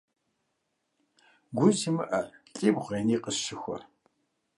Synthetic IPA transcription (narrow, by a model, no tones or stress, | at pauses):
ɡʷʊzimɨʔɐɬʼiːbʁʷeːniːqəʃɪxʷɔ̰